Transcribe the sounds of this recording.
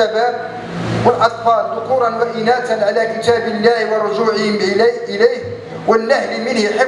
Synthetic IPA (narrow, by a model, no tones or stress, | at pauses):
aba | wəlʔɑt̪ˤfɑːld̪ʊquːɾˤɑnwaʔɪnæːt̪anʕalæːkət̪æːbəlːæːhwərˤːʊʒuːʕəhɪmʔɪlæjh | wənːahlmɪnhħə